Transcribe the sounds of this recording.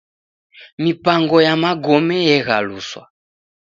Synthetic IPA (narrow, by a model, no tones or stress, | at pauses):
mipaŋɡɔjamaɡɔmɛjɛɣaluswa̰